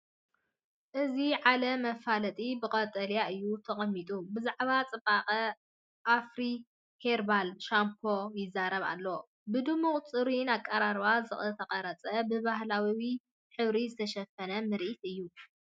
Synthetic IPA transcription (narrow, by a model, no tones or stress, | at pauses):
ʔɨziʕalɐmɐfalɐt̪ʼibɨkʼɐt̪ʼɐljaʔɨjːut̪ʰɐχʼɐmːit̪ʼubɨzaʕβat͡sʼɨbʼaqʼɐ | ʔafɾi | heɾbalʃamkʰojɪzːaɾɐβa̰lːo | bɨd̪ɨmːuχʼt͡sʼɨɾinakʼːɐɾaɾβazɨxʼt̪ʰɐqʼɐɾɐt͡sʼɐbɨβahlawiwi | ħɨβɾizɨt̪ʰɐʃɐfɐnɐmɨɾʔit̪ʔɨjːu